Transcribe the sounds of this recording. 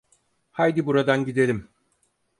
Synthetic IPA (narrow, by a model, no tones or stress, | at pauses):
hajd̪ibuɾad̪anɟid̪e̞lʲim